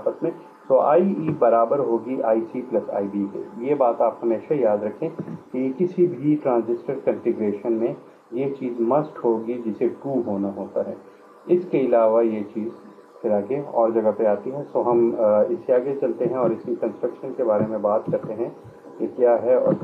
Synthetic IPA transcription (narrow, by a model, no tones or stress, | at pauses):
apət̪mẽ | soa̰ːiibɐɾaːbəɾɦoːɡiʔaːisiplɐsa̰ːibikḛjebaːt̪aːphɐmeːʃajaːd̪ɾɐkʰẽkikɪsibʱiʈɾãːnzɪsʈəɾkɐ̃nfɪɡɾeːʃənmẽ | jet͡ʃiːzmɐsʈɦoːɡid͡ʒɪseʈuːɦoːnaɦoːt̪aɦɛ̰ː | ɪskeɪlaːʋajet͡ʃiːz | t̪ʰɪɾaːkeɔ̰ːɾd͡ʒɐɡapeaːt̪iɦɛsoːɦɐmɪseaːɡet͡ʃɐlt̪eɦɛ̃ɔːɾɪsmikɐ̃nsʈɾɐkʃənkebaːɾemẽbaːt̪kɐɾt̪eɦɛ̃ | kekjaːɦɛɔ̰ːɾ